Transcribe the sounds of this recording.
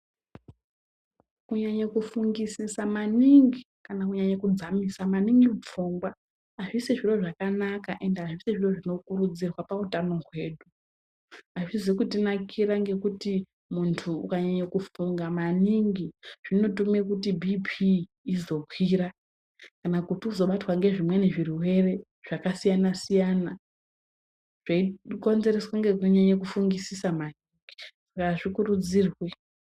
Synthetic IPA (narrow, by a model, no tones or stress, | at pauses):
kuɲaɲakufuŋɡisisamaniŋɡi | kanakuɲaɲakud͡zamisamaniŋɡiup͡fuŋɡwaː | ʐisiʐiro̞ʐakanakaʔe̞ndeaʐisiʐiro̞ʐino̞kurud͡zirwapautano̞ɦwe̞ːɗu | aʐizikutinakʰiɾaŋɡe̞kuti | muntʰṵːkaɲaɲakufuŋɡamaniŋɡiʐ̥ino̞tumekutibʱipʰiː | zo̞kwiɾa | kanakutiuzo̞ɓatwaŋɡe̞ʐimwe̞neʐiruwe̞re̞ | ʐ̥akasijanasijana | ʐ̥aiko̞nze̞reswaŋɡekuɲaɲek̬ufuŋɡisisamaniŋɡi̥sakaʐikuɾud͡ziːrwe